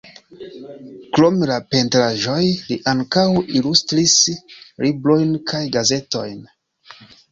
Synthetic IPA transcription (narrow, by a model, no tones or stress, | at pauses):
klo̞melape̞ntɾaʒo̞jliʔaŋkawilustɾisɾiblo̞jnkʰajɡaze̞to̞̰jn